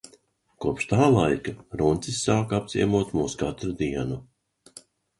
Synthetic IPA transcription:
kuɔpʃt̪aːlˠajkaɾunt̪sisːaːkapz̥ʲḭɛmuɔt̪muːskat̪ɾud̪iɛnu

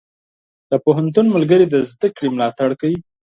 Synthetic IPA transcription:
d̪̥əpoɦant̪unməlɡəɾed̪əzd̪əkɽemlɑt̪aɽkawi

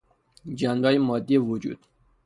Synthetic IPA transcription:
d͡ʒænbɒːjemɒːd̪ːijevod͡ʒṵːd̪̥

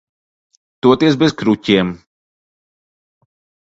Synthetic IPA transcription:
t̪uɔt̪iɛs̬bɛzkɾucʲiɛm

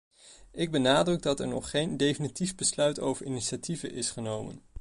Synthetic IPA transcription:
ɪɡ̚bənaːdrɵɡ̚dɑtɛɹnɔ̰χχejndejfinitivbəslœɥto̰wvəɹɪniʃativəʔɪsχənowmə̰n

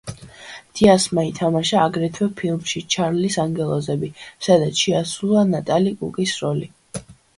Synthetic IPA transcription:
d̪̥iasmait̪ʰamaʃaːɡɾɛt̪ʰwɛpʰilˠmʃit͡ʃʰaɾlisaŋɡɛlˠɔzɛbisad̪at̪sʰʃɛasulˠanat̪ʼalikʼṵkʼisɾɔli

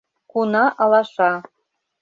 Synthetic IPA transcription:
kunɑʔɑlˠɑʂɑ

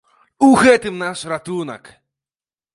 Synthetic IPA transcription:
uɣɛt̪ɨmnaʂrat̪unɐ̰k

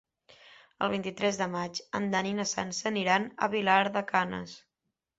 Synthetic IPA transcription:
əlˠβint̪it̪ɾɛzðəmat͡ʃənd̪aninəsa̰nsəniɾanə̰βilaɾðəkanə̰s

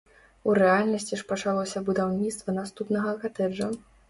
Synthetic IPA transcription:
uɾɛalʲnɐsʲt͡sʲiʂpɐt͡ʂalˠɔsʲɐbud̪awnʲit̪st̪vɐnast̪upnɐɣɐkat̪ɛd͡ʐɐ

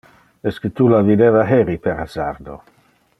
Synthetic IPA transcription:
ɛskət̪ulavid̪evaɦeɾipeɾa̰zaɾd̪o̰

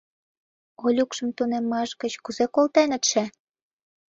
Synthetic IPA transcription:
olʲukʃə̆mt̪unemːɑʃɡə̆t͡ɕkuzekolt̪enə̆t̪ʃe

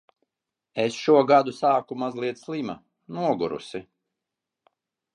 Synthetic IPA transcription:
esʃuɔɡad̪usaːkumazlˠiɛt̪slˠima | nuɔɡuɾṵsi

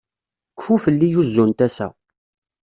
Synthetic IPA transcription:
kfufəlːijuzːunt̪æsæ̰

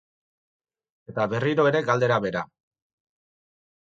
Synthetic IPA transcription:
e̞t̪aβe̞riɾo̞e̞ɾe̞ɡald̪e̞ɾaβe̞ɾa

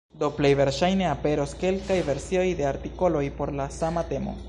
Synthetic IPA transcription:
d̪o̞plejve̞ɾʃajne̞ape̞ɾo̞ske̞lkajve̞ɾsio̞jde̞aɾtiko̞lo̞jpo̞ɾlasamate̞mo̞̰

